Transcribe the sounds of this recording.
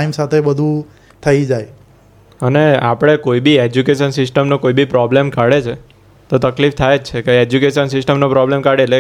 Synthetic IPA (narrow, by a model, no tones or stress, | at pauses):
imsat̪ʰebəd̪ʱũ | t̪ʰəid͡ʒaj | ənea̰pɽ̃ekoibied͡ʒukeʃənsɪsʈəmnokoibipɾɔblemkaɽet͡ʃʰe | t̪ot̪əklift̪ʰajed͡ʒt͡ʃʰekeed͡ʒukeʃənsɪsʈəmnopɾɔblemkaɽele